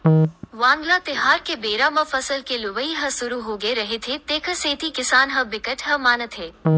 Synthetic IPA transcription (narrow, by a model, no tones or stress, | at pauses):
ʋãːŋɡlat̪ɪɦaːɾkebeːɾaməfɐsəlkelʊʋəiɦɐ̃sʊɾuɦoːɡeɾɐɦet̪ʰet̪eːkʰəseːt̪ʰikɪsaːnɦɐ̃bɪkəʈɦɐmaːnət̪ʰɦeː